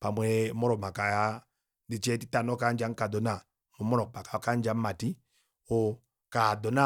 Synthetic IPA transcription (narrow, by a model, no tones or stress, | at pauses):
pamwɛmɔɾɔmakaja | ndit͡ʃɛti̥tanɔkand͡ʒaŋkadɔna | mumɔɾɔk̚pakakand͡ʒam̩mati | ɔ | kadɔna